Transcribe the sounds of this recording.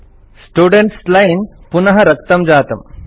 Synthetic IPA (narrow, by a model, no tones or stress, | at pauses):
sʈuːɖeɳʈslɐjinpunɐɦɐɾɐkt̪ɐmd͡ʒaːt̪ɐm